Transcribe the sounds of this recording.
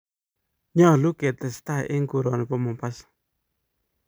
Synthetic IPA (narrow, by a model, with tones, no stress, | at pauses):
ɲɔ˦˨lu˦ke˨t̪ɛ˨sta˦˨ʔɪ˦ŋku˨ɾɔ˨n˨pɔ˦mɔ˨mpa˦s